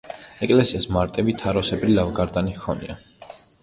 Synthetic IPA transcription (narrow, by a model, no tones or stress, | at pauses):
ɛkʼlɛsiasmaɾt̪ʼɛbit̪ʰaɾɔsɛbɾilavɡaɾd̪anikʰɔnḭa